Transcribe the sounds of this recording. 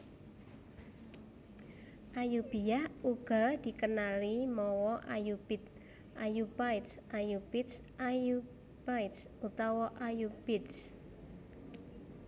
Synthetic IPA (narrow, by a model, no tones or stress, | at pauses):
ʔajub̥ijahuɡ̥ɔ̤d̪̥i̤kənalimɔwɔʔajubit̪ | ʔajubajt̪sʔajub̥ɪt̪sʔaju | b̥ajt̪s | ut̪ɔwɔʔajub̥ɪt̪s